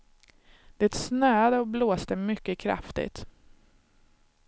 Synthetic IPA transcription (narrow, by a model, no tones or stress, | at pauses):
d̪̥ɛt̪snøːad̪əɔbloːst̪əmʏkːəkʰɾa̰ft̪ɪ̰t̪